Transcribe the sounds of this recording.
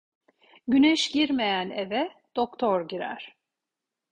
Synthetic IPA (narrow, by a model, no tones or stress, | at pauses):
ɟynɛʃɟiɾme̞jænevɛd̪̥okt̪ʰoɾɟiɾæ̰ɾ̥